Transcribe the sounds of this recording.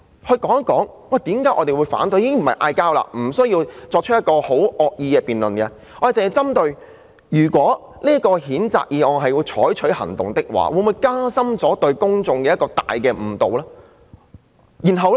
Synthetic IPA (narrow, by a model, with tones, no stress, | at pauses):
hɵ˧ɥkɔː˨˥ŋɐ˥kːɔː˨˥ŋ | wa˨˩t̪iː˨˥mkaː˨˥ʔɔ̰˨˧t̪e˨jwuː˨˧jfa̰ː˨˥nt̪̬jiː˧˥kɪ˥ŋm̩˨˩ɐ˨jʔa̰ː˧jkaː˥wla̰ː˧m̩˨˩sɵ˥ɥjiː˧wt͡sɔː˧k̚t͡ʃʰɵ˥jɐ˥t̚kɔː˧ho˨˥wʔɔː˨˧k̚jiː˧kɛː˧piː˨nlɵ˨˩nkɛ˧ | ɔː˧˨˩t͡sɪ˨ŋhɐ˨jt͡sɐ˥mt̪ɵ˧ɥ | jyː˨˩kwɔː˨˥ | liː˥kɔː˧hiː˨˥nt͡sa̰ː˨k̚jiː˨˧ɔː˨˧ɦɐ˨ji˧wt͡ʃʰɔː˨˥jt͡ʃʰɵ˨˥ɥhɐ̰˨˩ŋt̪ʊ̰˨ŋt̪ɪ˥k̚wa̰ː˨wu˨˧˥muː˨˧jkaː˥sɐ˥mt͡sɔː˨˥t̪ɵ˧ɥkʊ˥ŋt͡sʊ˨˧ŋkɛː˧jɐ˥t̚kɔː˧t̪a̰ː˨jkɛː˧m̩˨˩t̪o̰˨wlaː˥ | jiː˨˩nɦɐ˨˧wlɛ˥